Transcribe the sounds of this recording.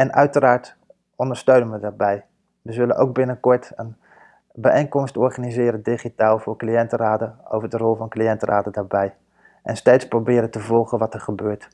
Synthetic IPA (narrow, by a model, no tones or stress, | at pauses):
ɛnœ̰ɥtəraːɹt | ɔndəɹstøɥnənʋədaːɹbɛj | ʋəzɵlənʔo̰wk̚bɪnəkɔɹtən | bəejŋkɔmstɔɹχanizɪːɾədiχitaːlˠvʊːɹklijɛntəraːdəo̰wvəɹdərɔlˠvɑnklijɛntərʔa̰ːdədaːɹbɛj | ʔɛ̰nstejtsprobɪːɾətəvɔlˠχənʋɑtəɹχəbøːɹt